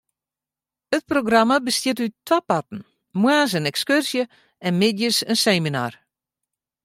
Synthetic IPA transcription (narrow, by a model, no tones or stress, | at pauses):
ət̚proɡramabəstjɪtytʰʋapatn̩ | mwaːs̬ənɛkskørsjə | ɛnmɪdjəsənseːmina̰ːr